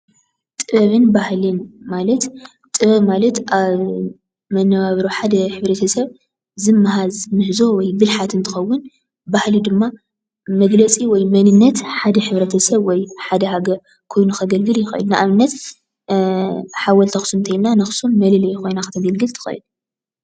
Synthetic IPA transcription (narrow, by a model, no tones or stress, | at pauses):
t̪ʼɨβɐβɨnbahlɨnmalɐt̪ | t̪ʼɨβɐmalɐt̪ʔaβ | mɐnːɐβaβɾoħad̪ɐħɨβɾɐt̪ʰɐsɐβ | zɨmːaɦazmɨħzo̞wɔjbɨlħat̪ɨnt̪ʰɨ̥xɐwːʊn | bahlid̪ɨmːa | mɐɡlɐt͡sʼiwɔjmɐnɨnːɐt̪ħad̪ɐħɨβɾɐt̪ʰɐsɐβwɔjħad̪ɐɦaɡɐɾ | kʰo̞jnuxɐɡɐlɡɨljɪxɐ̰ʔɨ̰lnɨʔamɨnːɐt̪ | ħawɐlt̪ʰɐxsunt̪ʰɐjnːanɐxsummɐlɨlɐjxo̞jnaxɨt̪ʰɐɡɐlɡɨlt̪ʰɨ̥xɐ̰ʔɨ̰l